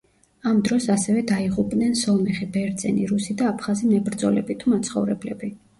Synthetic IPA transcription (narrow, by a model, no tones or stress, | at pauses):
amd̪ɾɔsasɛvɛd̪aiʁupʼnɛnsɔmɛχibɛɾd̪zɛ̰niɾusid̪aːpʰχazimnɛbɾd̪zɔ̰lɛ̰bit̪ʰumat̪sʰχɔvɾɛblɛbi